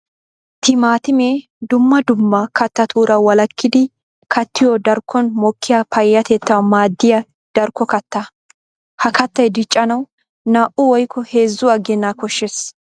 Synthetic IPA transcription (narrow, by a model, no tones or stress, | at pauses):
t̪ʰɪmaːt̪ɪmeː | d̪ʊmːɐd̪ʊmːɐkɐt̪ːɐt̪ʰuːɾɐwɐlɐkːɪd̪ɪ | kʰɐt̪ʰːɪjɔd̪ɐɾkʰːɔnmɔkːɪjapʰɐjːɐt̪ɛt̪ːɐwɐmaːd̪ːɪjɐ | d̪̥ɐɾkːɔkɐt̪ːɐ | hɐkɐt̪ːɐjd̪ɪt͡ʃʼːɐnɐw | naːʔʊwɔjkːɔheːzːʊɐɡɛnːaːkɔʃːes